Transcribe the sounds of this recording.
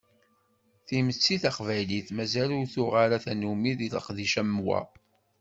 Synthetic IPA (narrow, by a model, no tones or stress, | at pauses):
θimət͡sːiθaqvæjliθmæzælʊɾθʊʁaɾaθænumiðiləqðiʃæmwæ̰